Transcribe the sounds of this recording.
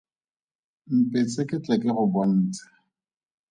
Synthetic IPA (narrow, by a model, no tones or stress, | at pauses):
m̩pʼet͡sʼekʼɪt͡ɬʼɛkʼɪɣʊbɔn̩ːt͡sʼḁ